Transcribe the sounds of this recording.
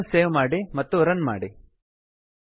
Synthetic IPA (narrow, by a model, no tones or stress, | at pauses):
seːʋmaːɽimɐt̪ːuɾɐnma̰ːɽi